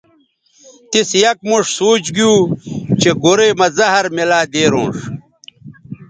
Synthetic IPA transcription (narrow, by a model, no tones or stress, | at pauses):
t̪isjɐk̚muʂsoːt͡ɕɡijuːt͡ɕeɡuɾeːmɐzɐɦɐɾmelaːd̪eːɾõːʂ